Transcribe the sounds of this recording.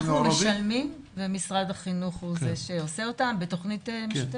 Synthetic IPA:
umeʃalmim | bemisʁad̪haχinuχhuzeʃeoseotambeto̞χnitemiʃt

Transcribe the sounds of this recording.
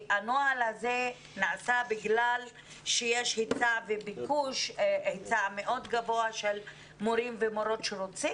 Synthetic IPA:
ʔanoalhaze | naasabiɡlal | ʃejeʃhet͡savebikuʃet͡sameʔo̞d̪ɡavo̞aʃel | moɾimvemoɾo̞tʃeɾot͡si

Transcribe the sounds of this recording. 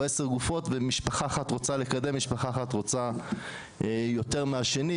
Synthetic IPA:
ese̞ʁɡufo̞tvemiʃpaχaːχatʁo̞t͡sale̞kad̪e̞mːiʃpaχaːχatʁo̞t͡sa | ejo̞te̞ʁmeaʃe̞ni

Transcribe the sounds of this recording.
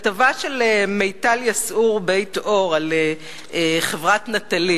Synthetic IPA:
tavaʃelemejtaljasuʁbe̞jto̞ʁale | eχevʁatnatali

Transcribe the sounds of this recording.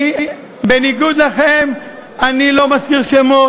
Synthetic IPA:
beniɡud̪laχem | anilo̞maskiʁʃemo

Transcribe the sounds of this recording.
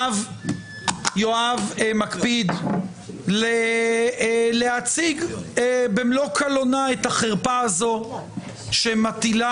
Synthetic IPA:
v | joavmakpid̪ | le | leat͡siɡ | bemlo̞kʰalo̞naet̪haχeʁpaazo̞ | ʃemat̪ila

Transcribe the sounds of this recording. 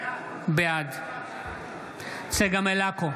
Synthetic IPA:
bɪjaːd̪ | seɡɐmelaːko

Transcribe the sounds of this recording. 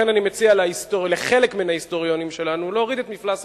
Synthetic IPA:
enanimet͡sialaist̪oleχe̞lekmenhaist̪o̞ʁjo̞nimʃe̞lanulo̞ːʁid̪et̪miflas

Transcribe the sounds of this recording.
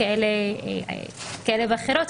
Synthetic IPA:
aelḛ | kaelebaχeɾot̪

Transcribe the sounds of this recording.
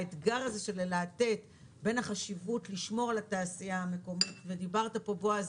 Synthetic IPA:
et̪ɡaʁaze̞ʃelelaːte̞t | be̞naχaʃivutliʃmo̞ʁalataːsiahame̞ko̞mitve̞dibaʁtapo̞bo̞az

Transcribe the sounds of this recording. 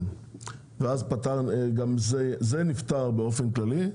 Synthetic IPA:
veazpat̪aʁɡamzezenift̪aʁbe̞o̞fe̞nklali

